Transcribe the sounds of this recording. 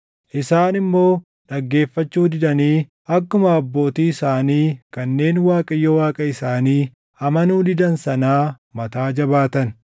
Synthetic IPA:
ʔɪsaːnɪmːo̞ː | ᶑɐɡːe̞ːfːɐt͡ʃːuːd̪ɪd̪ɐniː | ɐkːʊmɐːbːo̞ːt̪iːɪsaːniːkɐnːe̞ːnwaːkʼɐjːɔwaːkʼɐɪsaːniː | ɐmɐnuːd̪ɪd̪ɐnsɐnaː | mɐt̪aːd͡ʒɐbaːt̪ɐn

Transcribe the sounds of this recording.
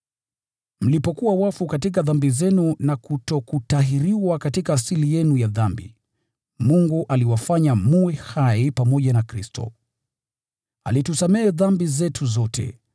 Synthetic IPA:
m̩lipɔkuwawafukatik̬aðambizɛnunakutɔkutaɦiɾiwakatikaːsilijɛnujaðambḭ | muŋɡuʔaliwafaɲamuwɛhaipamɔʄanakɾistɔ̰ | a̰litusamɛːðambizɛtʰuzɔtʰɛ̰

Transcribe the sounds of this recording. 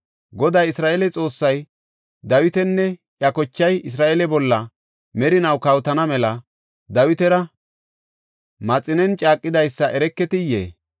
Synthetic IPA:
ɡɔd̪ɐjɪsɾaːʔɛlɛt͡sʼo̞ːsːɐj | d̪ɐwɪt̪ɛnːɛʔjɐkɔt͡ʃːɐjɪs̬ɾaːʔɛlɛbɔlːɐ | mɛɾɪnɐwkɐwt̪ɐnɐmɛlɐ | d̪ɐwɪt̪ɛɾɐ | mɐt͡sʼːɪnɛnt͡ʃʼaːkʼːɪd̪ɐjsːɐʔɛɾɛkːɛt̪ɪjːḛː

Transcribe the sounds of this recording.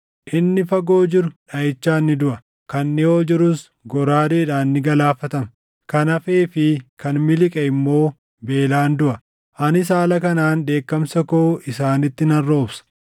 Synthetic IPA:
ʔɪnːɪfɐɡo̞ːd͡ʒɪɾʊᶑɐjɪt͡ʃːaːnːɪd̪ʊʔɐ | kɐnːɪho̞ːd͡ʒɪɾʊs | ɡɔɾaːd̪eːᶑaːnːɪɡɐlaːfɐt̪ɐmɐ | kɐnɐfeːfɪkɐnmɪlɪkʼɛɪmːo̞ː | be̞ːlaːnd̪ʊʔɐ | ʔɐnɪs̬aːlɐkɐnaːnd̪e̞ːkːɐmsɐkoːʔɪsaːnɪt̪ːɪnɐrːo̞ːbsɐ̥

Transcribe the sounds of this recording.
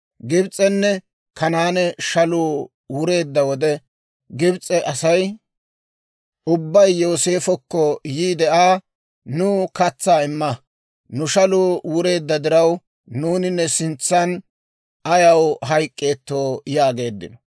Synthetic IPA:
ɡɪbt͡sʼːɛnːɛ | kʰɐnaːnɛʃɐluː | wʊɾe̞ːd̪ːɐwɔd̪ɛ | ɡɪbt͡sʼːɛʔɐsɐj | ʔʊbːɐjːo̞ːse̞ːfɔkːɔjiːd̪ɛʔaː | nʊkɐt͡sːaːɪmːɐ | nʊʃɐluːwʊɾe̞ːd̪ːɐd̪ɪɾɐw | nuːnɪnːɛsɪnt͡sːɐn | ɐjɐwɦɐjkʼːeːt̪ːo̞ːjaːɡe̞ːd̪ːɪ̰nɔ̥

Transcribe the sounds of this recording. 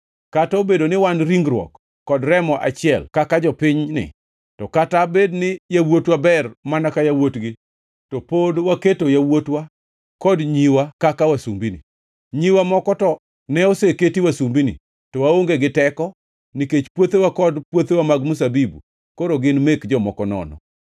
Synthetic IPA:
kataobedonɪwanɾiŋɡɾwɔ̰kː | ɔdɾɛmɔʔa̰t͡ʃɪɛlkakad͡ʒɔpɪɲnɪ̰ | tɔkatabednɪjawotwabɛrmanakajawotɡɪ | topodwaketojawotwa | kɔdɲiwakakawasumbinḭ | ɲiwamɔkɔtɔ | nɛoseketiwasumbinḭ | tɔwaoŋɡeɡɪtɛkɔ | niket͡ʃpwot̪ewakɔdpwot̪ewamaɡmus̬abibṵ | koɾoɡɪnmekd͡ʒɔmɔkɔnɔ̰nɔ̰

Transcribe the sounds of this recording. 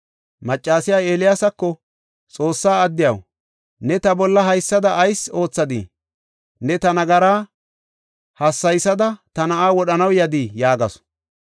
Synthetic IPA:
mɐt͡ʃʼːaːsɪjaːeːlɪjaːsɐkːɔ | t͡sʼo̞ːsːaːɐd̪ːɪjɐ̰w | nɛt̪ɐbɔlːɐɦɐjsːɐd̪ɐʔːjso̞ːt͡sːɐd̪ḭ | nɛt̪ɐnɐɡɐɾaː | hɐsːɐjsɐd̪ɐt̪ɐnɐʔaːwɔɗɐnɐwjɐd̪ijaːɡɐ̰s

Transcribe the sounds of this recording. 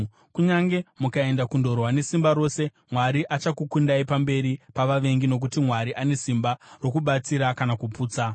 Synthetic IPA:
kuɲaŋɡe̞mukae̞ndakundo̞rwane̞simbaɾo̞se | mwaɾiʔat͡ʃakukundaipambe̞ɾipaʋaʋe̞ŋɡino̞k̬utimwaɾiʔane̞simbaro̞kuɓat͡siɾakanakupuːt͡sa

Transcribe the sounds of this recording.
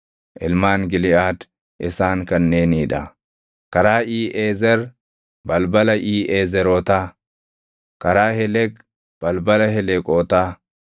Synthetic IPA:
ʔɪlmaːŋɡɪlɪaːd̪ | ʔɪsaːŋkɐnːeːniːᶑɐ | kɐɾaːʔiːʔeːzɛɾ | bɐlbɐlɐʔiːʔeːzɛɾoːt̪aː | kɐɾaːhɛlɛk | b̥ɐlbɐlɐɦɛlɛkʼoːt̪aː

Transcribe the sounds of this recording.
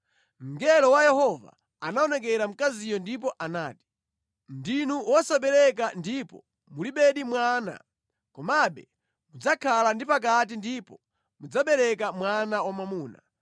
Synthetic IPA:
m̩ɡɛlɔwajɛhɔva̰ | anaɔnɛk̬ɛɾam̩kazijɔndip̬ɔʔanaːti̥ | ndinuwɔsaɓɛɾɛk̬andipɔ̰ | muliɓɛɗimwaːna̰ | kɔmaɓɛ | mud͡zakʰalandipak̬at̬indipɔ | mud͡zaɓɛɾɛkamwanawamamuːna̰

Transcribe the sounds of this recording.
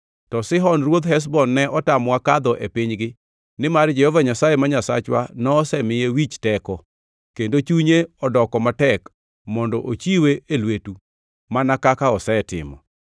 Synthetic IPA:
tɔsɪɦɔnrwod̪ɦɛs̬bɔnːɛʔɔtamwakad̪ɔʔepɪɲɡɪ | nɪmard͡ʒɛhɔvaɲasajemaɲasa̰t͡ʃwa̰nɔːsɛmɪjewit͡ʃtɛkɔ | kendot͡ʃuɲeɔdɔkɔmatɛk | mɔndɔʔot͡ʃiweelwetu | manakakaɔsɛtɪ̰mɔ̰

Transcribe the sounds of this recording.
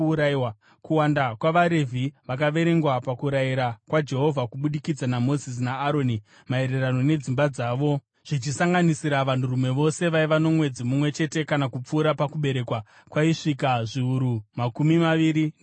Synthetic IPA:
ɾaiwa | kuwandakwaʋaɾe̞vʱiʋakaʋe̞ɾe̞ŋɡwapakuɾaiɾakwad͡ʒe̞ɦo̞vʱakuɓuɗikid͡zanamo̞zis̬naːɾoni | mae̞ɾe̞rano̞ne̞d͡zimbad͡zaːʋo̞ | ʐ̥it͡ʃisaŋɡanisiɾaʋanturumwe̞ʋo̞se̞ʋaiʋano̞mwe̞d͡zimumwe̞t͡ʃe̞te̞kanakup͡fuːɾapakuɓe̞ɾe̞kwa | kwaiʂikaʐiuɾumakumimaʋiɾin

